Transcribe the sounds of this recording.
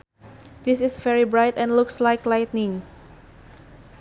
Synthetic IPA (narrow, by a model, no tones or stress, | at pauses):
d̪ɪsɪsvɛɹibɹaɪt̪ɛ̃nlʊkslaɪjklajtnɪ̃ŋ